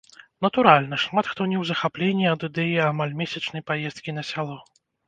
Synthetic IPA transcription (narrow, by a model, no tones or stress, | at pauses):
nɐt̪uɾalʲnɐʂmat̪xt̪ɔnʲɛwzɐxaplʲenʲːiɐd̪ɨd̪ɛjiamalʲmʲesʲɐt͡ʂnɐjpajɛst̪̚kʲinɐsʲalˠɔ